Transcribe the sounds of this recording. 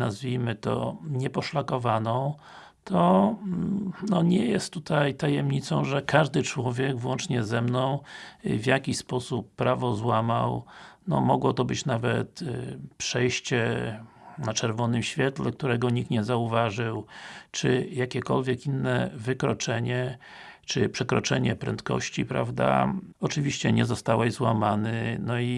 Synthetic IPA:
azvʲijmɘt̪ɔ̰ɲɛpɔʂlakɔvanɔ̃w̃ | t̪ʰɔ | nɔɲɛjɛst̪ːut̪ʰajt̪ajɛmɲit̪sɔ̰̃w̃ʐɛkʰaʐd̪ɘt͡ʂwɔvʲjɛɡvwɔnt͡ʂɲɛzɛmnɔ̃w̃vʲjakʲiɕspɔsupːɾavɔzwamawnɔ̰mɔɡwɔt̪ɔbɘt͡ɕnavɛ̰t̪pʂɛjɕt͡ɕɛ | nat͡ʂɛɾvɔnɘmɕfʲjɛt̪lɛk̚t̪uɾɛɡɔɲikɲɛzauvaʐɘwt͡ʂɘjakʲɛkɔlvʲjɛkinːɛvɘkɾɔt͡ʂɛɲɛt͡ʂɘpʂɛkɾɔt͡ʂɛɲɛpɾɛ̰nt̪kɔ̰ɕt͡ɕipɾa̰vd̪a̰ɔt͡ʂɘvʲiɕt͡ɕɛɲɛzɔst̪awɛʑzwamanɘnɔi

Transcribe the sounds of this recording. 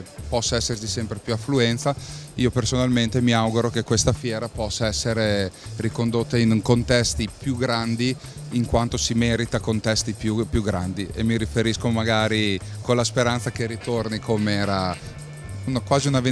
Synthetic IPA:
pɔsːaɛsːersisɛmpɾepjuafːluɛnt̪saiopersonalment̪emiawɡuɾokekːwest̪afjɛːɾapɔsːaɛsːeɾerikond̪ot̪ːainkont̪ɛst̪ipjuɡɾand̪iː | ŋkwant̪osimɛɾit̪akont̪ɛst̪ipjupjuɡɾa̰nd̪iḛmːiɾifeɾiskomaɡaːɾi | konlaspeɾant̪sakerit̪ornikʰomeɛːɾa | unkwaːziunave

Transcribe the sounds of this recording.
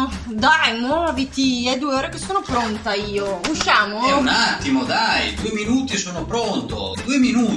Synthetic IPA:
d̪ajmwɔːvit̪iɛd̪uːeoːɾekesːoːnopɾont̪aiːouʃːaːmoɛunat̪ːimod̪ajd̪uːeminuːt̪isoːnopɾont̪od̪uːeminuː

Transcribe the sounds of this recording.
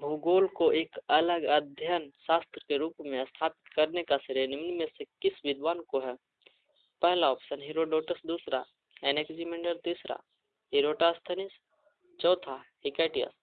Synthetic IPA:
bʱuːɡoːlkoʔeːkɐləɡəd̪ʱjənʃaːst̪ɾəkeɾuːpmẽst̪ʰaːpɪ̥t̪kɐɾnekasɪɾenɪmnmẽsekɪsʋɪd̪waːnkoɦɛː | pɛɦlaɔːpsənɦiɾoːɖoːʈəsd̪uːsɾa̰ | ɛːneːkd͡ʒimẽɳɖəɾt̪iːsɾa̰ | ɦiɾoːʈaːst̪ʰənɪs | t͡ʃɔːt̪ʰaɦɪkeːʈijə̰s

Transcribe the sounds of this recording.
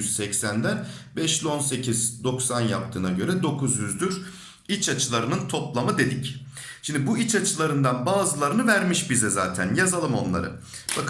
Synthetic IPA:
z̥sɛcsænd̪æ | bɛʃlʲo̞nse̞cʰizd̪o̞ksanjap̚t̪ʰɯːnaɟø̞ɾɛd̪o̞kʰuzjyzd̪yɾ | it͡ʃʰat͡ʃʰɯlˠaɾɯnɯnt̪ʰo̞plˠamɯd̪e̞d̪ic | ʃimd̪ibuit͡ʃat͡ʃʰɯlˠaɾɯnd̪anbaːzɯlˠaɾɯnɯvæɾmiʃbizɛzaːt̪ʰænjazalˠɯmo̞̰nlˠa̰ɾɯ̰ | b̥ak

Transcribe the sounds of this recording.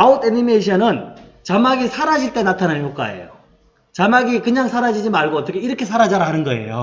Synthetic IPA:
aotenimeɕ̬ʰʌnɯnt͡ɕamaɡisʰaɾad͡ʑiɭt͈e̞natʰanançjok͈a̰e̞̰jo̰ | t͡ɕamaɡikɯɲaŋsʰaɾad͡ʑid͡ʑimaɭɡoʌt͈ʌkʰeiɾʌkʰe̞sʰaɾad͡ʑaɾaɦanɯnɡʌe̞̰jo̰

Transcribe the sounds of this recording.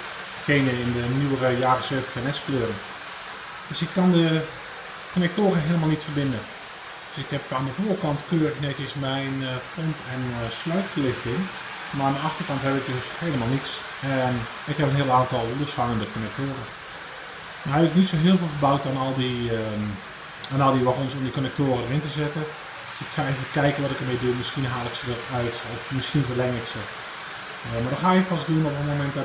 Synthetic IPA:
keːnəɪndənyərəjaːrəsøːftə̥xənɛskløːɾən | d̥øsɪkʰːɑndə | konɛk̚toːɾəɦeələmalˠnitfərbɪndə | d̥øsɪkhɛpaːndəfuːrkɑntkøːrəxnɛkɪsmɛjnfrɔntʰɛnslœɥtfərlɪxtɪŋ | maandəɑxtərkɑnthɛpɪk̚døsheːlˠəmaːlˠniks | ɛn | ɪkhɛpənɦiəlˠaːntɔlˠlosfaŋəndəkonɛk̚toːrə | maɦɛbɪknitsoɦɪəlˠveːlˠxəbawk̚tanɔlˠdi | anɔlˠdiʋɔχonsomdikonɛk̚toːrədərɪntəzɛtə | sɪkxaeːvəkɛjkənʋɔtɪkərmedumɪsxiənɦaːlˠɪksədərœɥtɔfmɪsxiənvəlɛŋɪksə | madɔxaːɪkpasduənɔpənmomɛnt

